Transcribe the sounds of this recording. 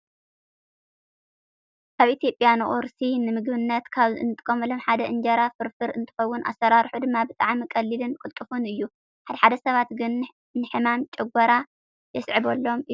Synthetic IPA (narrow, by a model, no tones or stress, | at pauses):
kʰaβʔit̪ʰijo̞pʼjanɐʔʼoɾsinɨmɨɡbɨnːɐt̪kʰaβɨ̰nɨt̪ʼɨkʼːɐmɐlomħad̪ɐʔɨnd͡ʒɐɾafɨɾfɨɾɨ̰nt̪ʰɨ̥xɐwːʊnʔa̰sɐɾaɾħud̪ɨmːabɨt̪ʼaʕmikʼɐlːilɨnkʼɨlt̪ʼɨfunɨjːu | ħad̪ɐħad̪ɐsɐβat̪ɡɨn | nɨħɨmamt͡ʃʼɛɡʷɐɾa | jɛsʕɨβolːo̞mɨ